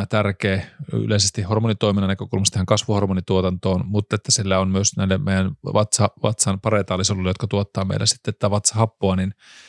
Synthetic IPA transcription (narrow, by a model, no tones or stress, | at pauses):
t̪ærkeːy̰leisest̪ihormonit̪oiminːɑnækøkulmɑst̪hæŋkɑsʋuhormonit̪uot̪ɑnt̪oːnmut̪ːet̪ːæsilːæonmyøsnæilːemeijænʋɑt̪sɑʋɑ̰t̪sɑnpɑret̪ɑːlːisolːulːejot̪kɑt̪uot̪ːɑːmḛilʔæsi̥t̪ːet̪ːæʋɑt̪sɑhɑpːoɑnin